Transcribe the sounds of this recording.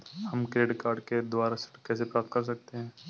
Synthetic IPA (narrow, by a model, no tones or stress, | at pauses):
hɐmkɾeːɖkaːɾɖked̪waːɾasɪ̥ʈkɛːs̬epɾaːp̚t̪̚kɐɾs̬ɐk̚t̪eɦɛ̃ː